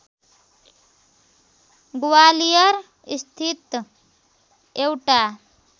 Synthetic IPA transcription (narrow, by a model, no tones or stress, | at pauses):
ɡuwalijəɾ | ist̪ʰit̪ | ewʈa